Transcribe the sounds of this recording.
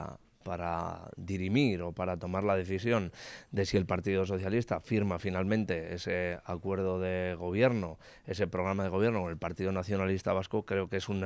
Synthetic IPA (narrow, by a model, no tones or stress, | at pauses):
a̰ | paɾa̰ðiɾimiɾo̞paɾat̪o̞maɾlað̞e̞θisjo̞nd̪e̞sie̞lpaɾt̪iðos̬o̞θjalist̪afiɾmafinalmẽnt̪e̞e̞se̞akwe̞ɾð̞o̞ðe̞ɣ̞o̞β̞je̞ɾno̞ | e̞se̞pɾo̞ɣɾamað̞eɣoje̞ɾno̞kone̞lpaɾt̪iðo̞naθjo̞nalist̪aβ̞askokɾe̞oke̞sunː